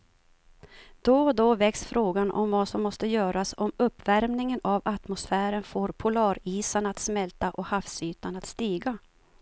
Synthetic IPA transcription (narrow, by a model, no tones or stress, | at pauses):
d̪̥od̪ovɛksfɾoːɡanʔɔ̰mvasɔmːɔst̪əjœːɾasɔmɵpːvæɾmnɪŋənavat̪mʊsfæːɾənfoːɾpʰʊlɑːɾiːsanat̪smɛlt̪aʔɔhafsyːt̪anat̪st̪iːɡa